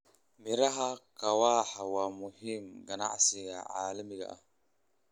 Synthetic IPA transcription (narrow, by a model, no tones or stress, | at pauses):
miɾaɦakawahawamuhimɡana̰ʔa̰siɡa̰ʔa̰limiɡa̰ʔa̰